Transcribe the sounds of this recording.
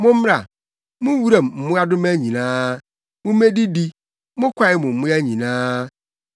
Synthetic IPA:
mʊ̃˦m˦a˨ | mʊ̃˦wu˦ɾa˨mm̩˨mʊ̃˦a˦dʊ˦ma˦ɲĩ˨nãː˦ | mʊ̃˦me˦di˦di˦ | mʊ̃˦kʷʰa˨ɪ˨mʊ̃˨m̩˨mʊ̃˦a˦ɲĩ˨nãː˦

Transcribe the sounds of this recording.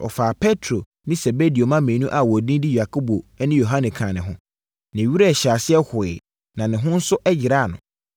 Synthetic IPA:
ɔ̰˨faː˨pʰɛ˦tʰɾo˨ | nɪ̃˦se˨be˦di˨o˨mã˦mẽ˨nũ˦ʔa˨wɔ˨dĩ˦di˦ja˨kʰo˦bo˨ɛ˦nɪ̃˦jo˨ɦã˦nɪ̃˨kʰã˨nɪ̰̃˨ɦʊ̃˦ | nɪ̃˨ɥi˦ɾe˦˨ɕa˨sɪ˦ɛ˦hʊ˨ɪ̰˨ | nã˨nɪ̃˨ɦʊ̃˦n̩˦sʊ˦ʔɛ˦d͡ʑɪ˨ɾa˦˨nʊ̰̃˨

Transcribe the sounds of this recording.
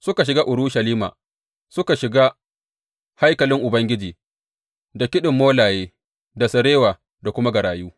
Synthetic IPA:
sʊ˦ka˨ʃ̬ɪ˨ɡaː˦ʔʊ˨ɾʊ˦ʃɐ˨liː˦ma̰ː˨ | sʊ˦ka˨ʃɪ˨ɡaː˦ | ha˦jkɐ˨lɪ˦ŋʔʊ˨bɐ˦ŋɡʲɪ˦d͡ʒiː˨ | da˨kʲɪ˦ɗɪ˨mːoː˦laː˨jeː˦ | da˨sɐ˨ɾeː˦waː˨ | da˨kʷʊ˦ma˦ɡɐ˨ɾaː˨juː˦

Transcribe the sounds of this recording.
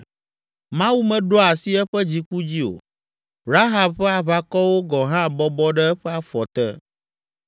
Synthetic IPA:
mã˦wu˦mɛ̃˨ɖɔ˦a˨si˦ɛ˦ɸɛ˦d͡ʑi˦ku˦d͡ʑi˦o̰˨ | ɾa˦ɦa˨bɸɛ˦a˨βa˦kɔ˦wo˦ɡɔ˨ɦã˦˨bɔ˦bɔ˦ɖɛ˦ɛ˦ɸɛ˦a˨fɔ˨t̪ɛ̰˦

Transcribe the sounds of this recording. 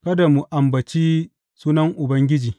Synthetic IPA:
kɐ˦da˨mu˨ʔa˨mbɐ˨t͡ʃiː˦ | suː˦nɐ˦ŋʔʊ˨bɐ˦ŋɡʲɪ˦d͡ʒiː˨

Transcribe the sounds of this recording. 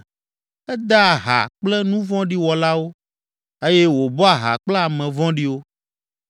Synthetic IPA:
ɛ˦d̪a˦˨ɦa̰˨k͡plɛ˦nũ˦vɔ̃˦ɖi˦wɔ˨la˦wo˦ | e˦jɛ˦wo˨bɔ˦a˨ɦa̰˨k͡plɛ˦a˨mɛ̃˨vɔ̃˦ɖi˦wo˦

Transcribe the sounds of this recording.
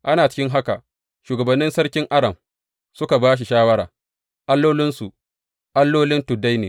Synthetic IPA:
ʔa˦naː˨t͡ʃɪ̥˦kʲɪ˦ŋɦa˦ka̰˨ | ʃuː˨ɡɐ˨bɐ˨nːɪ˦nsɐ˦ɾkʲɪ˦ŋʔa˦ɽɐ˨m | sʊ˦ka˨baː˦ʃ̬i˨ʃaː˦wɐ˦ɾa̰ː˨ | ʔa˦lːoː˦lɪ˦nsu˨ | ʔa˦lːoː˦lɪ˦ntʊ˨da˦jneː˨

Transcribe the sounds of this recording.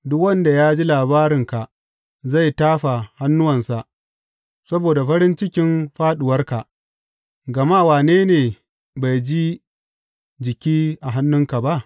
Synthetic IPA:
dʊ˦kwɐ˦nda˨jaː˦d͡ʒi˦laː˨baː˦ɾɪ˨ŋka˨ʔ | za˦˨jtaː˦ɸa˨ha˦nːʊ˦wɐ˨nsa˨ʔ | sɐ˦boː˨da˨ɸɐ˦ɾɪ˦nt͡ʃɪ˦kʲɪ˦mɸaː˦ɗʊ˨wɐ˦rka˨ʔ | ɡɐ˨ma˦˨waː˨neː˦neː˨ | ba˨jd͡ʒi˦ | d͡ʒɪ˨kʲiː˦ʔa˨ɦa˦nːʊ˦ŋka˨ba˦ʔ

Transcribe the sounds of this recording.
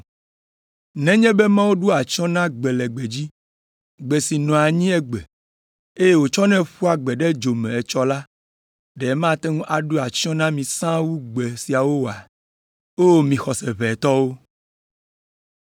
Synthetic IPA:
nɛ̃˦ɲɛ̃˦be˦mã˦wo˦ɖu˦a˨t͡ʃɔ̃˦nã˦ɡ͡bɛ˨lɛ˨ɡ͡be˨d͡ʑi˦ | ɡ͡bɛ˨si˨nɔ̃˨a˨ɲĩ˦ɛ˦ɡ͡bɛ˨ | e˦je˦wo˨t͡ʃɔ˦nɛ̃˦ɸu˦a˨ɡ͡bɛ˨ɖɛ˦d͡ʒo˨mɛ̃˨ɛ˨t͡ʃɔ˦la˦ | ɖɛ˨˦mã˦t̪ɛ˦ŋũ˦ʔa˨ɖu˦a˨t͡ʃɔ̃˦nã˦mĩ˨sã˦wu˦ɡ͡bɛ˨si˨a˨wo˦wo˨a˨ | o˦mĩ˨xɔ˨sɛ˨βɛ˨t̪ɔ˦wo˦

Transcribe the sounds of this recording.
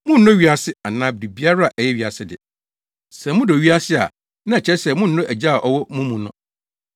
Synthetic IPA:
mʊ̃˦n̩˨nʊ̃˦ɥi˨a˨sɪ˦a˨nãː˦bdi˨bi˦a˦ɾa˦a˨ʔɛ˨jɛ˦ɥi˨a˨sɪ˦dɪ̰˨ | sɛ̃˨mʊ̃˦dɔ˨ɥi˦a˦sɪ˦a˨ | nã˦ɛ˨t͡ɕʰɛ˦sɛ˨mʊ̃˦n̩˨nʊ̃˦ʔæ˨d͡ʑa˦a˨ʔɔ˨wɔ˦mũ˦mũ˨nʊ̃˦

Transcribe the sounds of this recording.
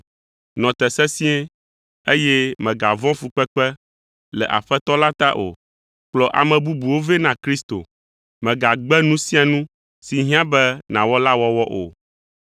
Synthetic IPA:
nɔ̃˨t̪ɛ˨sɛ˦sĩ˦ɛ˦ | e˦jɛ˦mɛ̃˨ɡa˨vɔ̃˦fu˨k͡pɛ˦k͡pɛ˦ | lɛ̰˨ʔa̰˨ɸɛ˦t̪ɔ˦la˦t̪a˦ʔo̰˨ | k͡plɔ˨ʔa̰˨mɛ̃˨bu˦bu˨wo˦vɛ˦nã˨kɾi˦st̪o̰˨ | mɛ̃˨ɡa˨ɡ͡bɛ˦nũ˦sĩ˦a˨nũ˦ | si˨ɦĩ˦ã˦bɛ˦nã˨wɔ˦la˦wɔ˦wɔ˦ʔo̰˨

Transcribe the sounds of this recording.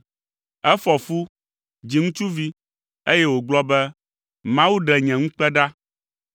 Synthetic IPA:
ɛ˦fɔ˨fu˦ | d͡ʑi˨ŋũ˦t͡ʃu˦vi˦ | e˦jɛ˦wo˨ɡ͡blɔ˦bɛ˦ | mã˦wu˦ɖɛ˨ɲɛ̃˨ŋũ˦k͡pɛ˦ɖa˦

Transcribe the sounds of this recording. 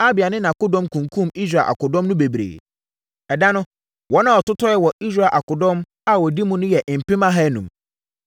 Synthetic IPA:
a˦bɪ˨a˨nɪ̃˦nã˨kʊ˦dɔ̃˦mkʰũ˨ŋ˨kʰũ˦mi˦s̬ɾa˨ʔa̰˨kʊ˨dɔ̃˦mnʊ̃˦be˨bɾḛː˨ | ɛ˨dã˦nʊ̃˦ | wɔ˨˦nã˨ɔ˨tʊ˦tʰɔ˦ɛ˦wɔ˨i˦s̬ɾa˨ʔa˨kʊ˨dɔ̃˦m | a˨wɔ˨di˦mʊ̃˦nʊ̃˦jɛ˨ʔm̩˨pɪ̃˦mã˦ɦa˦nũ˨m

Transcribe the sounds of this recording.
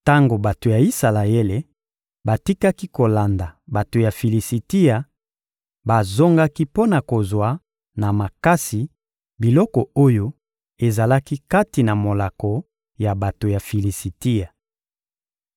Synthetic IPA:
ta˦ŋɡo˨ba˨to˨ja˨i˦sa˨la˨e˦le˨ | ba˨ti˦ka˦ki˦ko˨la˨nda˨ba˨to˨ja˨fi˨li˨si˨ti˦a˨ | ba˨zo˦ŋɡa˦ki˦po˦na˨ko˨zwa˨ | na˨ma˨ka˦si˨ | bi˨lɔ˦kɔ˨o˦jo˦ | e˨za˨la˦ki˦ka˦ti˨na˨mo˨la˨kɔ˨ | ja˨ba˨to˨ja˨fi˨li˨si˨ti˦a˨

